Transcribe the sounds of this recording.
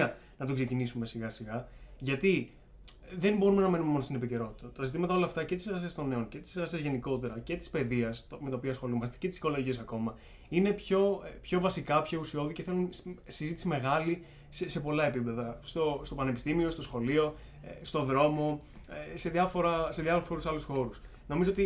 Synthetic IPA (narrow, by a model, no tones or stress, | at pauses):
ɐ | nɐt̪oksecinisume̞siɣɐsiɣɐʝɐt̪i | ðenbo̞ɾume̞nɐme̞numemo̞nost̪inepice̞ɾo̞t̪i̥t̪ɐt̪ɐzit̪imɐt̪ɐo̞lɐːft̪ɐce̞t̪iseɾɣɐsiɐst̪o̞ne̞o̞nce̞t̪i̥seɣɐsiɐzʝe̞niko̞t̪e̞ɾɐce̞t̪ispe̞ðiɐst̪me̞t̪ɐopiɐsxo̞lumɐst̪ece̞t̪i̥siko̞lo̞ʝiesɐko̞mɐ | ine̞pço̞pço̞vɐsikɐpço̞usio̞ðiceθe̞lunsizit̪i̥sime̞ɣɐli | sse̞po̞lɐe̞pipe̞ðɐst̪o̞st̪o̞pɐnepi̥st̪imio̞st̪o̞sxo̞lio̞ | st̪o̞ðɾo̞mo̞ | ese̞ðiɐfo̞ɾɐse̞ðjɐfoɾuxo̞ɾusɐlusxo̞ɾus | no̞mizoo̞t̪i